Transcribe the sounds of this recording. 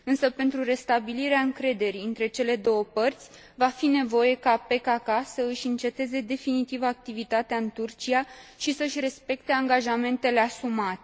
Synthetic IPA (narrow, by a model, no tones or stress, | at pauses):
ɨnsəpe̞nt̪ɾure̞st̪abiliɾeaɨŋkɾe̞d̪e̞ɾiɨnt̪ɾe̞t͡ʃe̞le̞d̪o̞wəpərt̪sʲ | vafine̞vo̞je̞kape̞kakasəɨʃʲɨnt͡ʃe̞t̪e̞ze̞d̪e̞finit̪ivak̚t̪ivit̪at̪eaɨnt̪urt͡ʃiaʃisəɨʃʲre̞spe̞k̚t̪e̞aŋɡaʒame̞nt̪e̞le̞asumat̪e